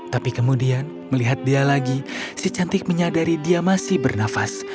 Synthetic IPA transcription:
t̪apikəmudian | məliɦat̪̚dialaɡisit͡ʃant̪ɪk̚məɲadaɾidiamasɪhbərnafas

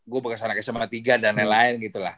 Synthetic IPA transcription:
ɡuabakasanakɛsəmat̪iɡadanɛnlaɪnɡit̪ulah

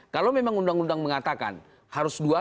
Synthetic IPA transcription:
kalawmemaŋundaŋundaŋməŋat̪aka̰n | haɾʊsdua

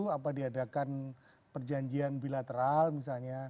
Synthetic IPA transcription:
uapadiadakan | pərd͡ʒaɲd͡ʒianbilat̪əɾalmis̬alɲa

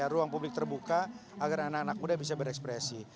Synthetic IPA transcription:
aɾuaŋpublɪk̚t̪ərbukaaɡaranakanak̚mudabis̬abəɾɛkspɾɛsi

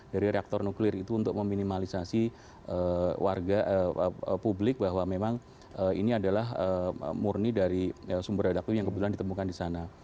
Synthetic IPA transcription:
d̥aɾiɾeak̚t̪ɔrnuklɪrit̪uːnt̪ʊk̚məminimalisasi | ʔəwʔarɡaəpublɪk̚baɦwamemaŋ | əḭniadalaɦə̰murnidaɾiəsumbəɾadak̚t̪ujaŋkəbət̪ulandit̪əmukandisana

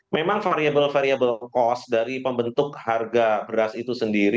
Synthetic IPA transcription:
memaŋfaɾiabəlfaɾiabəlkɔsdaɾipəmbənt̪ʊk̚harɡabəɾasit̪usəndiɾi

